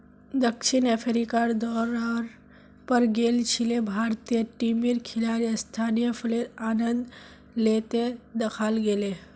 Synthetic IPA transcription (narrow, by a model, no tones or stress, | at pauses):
d̪əkʃɪnepʰɾikaɾd̪ɔːɾaːɾ | pəɾɡeːlt͡ʃʰilebʱaːɾt̪ijəʈimiɾkʰɪlaːɾəst̪ʰaːnijəpʰʊleaːnənd̪ | leːt̪ed̪əkʰaːlɡeːle